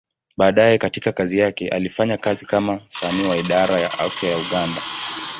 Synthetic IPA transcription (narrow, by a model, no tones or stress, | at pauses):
ɓaːɗajɛkatikakazijakɛʔa̰lifaɲakazikamasaniːwaiɗaɾaja̰ʔa̰fjiajauɠanda